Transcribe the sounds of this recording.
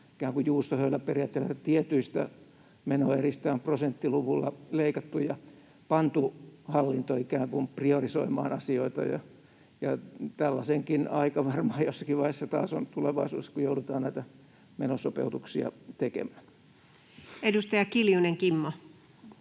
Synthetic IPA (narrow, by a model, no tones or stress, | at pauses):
i̥kæːŋkujjuːst̪ohøilːæperijɑːt̪ːelːæt̪iet̪yist̪æ | menoːerist̪æːmprosent̪ːiluʋulːɑleikɑt̪ːujɑ | pɑnt̪uhɑlːint̪oikæːŋkumpriorisoimɑ̰ːnɑsioit̪ɑ̰jɑ̰ | jɑt̪ælːɑseŋkinɑikɑʋɑrmɑɑjosːɑ̥kiʋʋɑhesːɑt̪ɑ̰ːso̰nt̪uleʋɑisṵːeskujoudut̪ɑːnnæit̪æ | menosopḛut̪uksiɑ̰t̪ekḛmæ̥ːn | edust̪ɑjɑkiljuneŋkimːo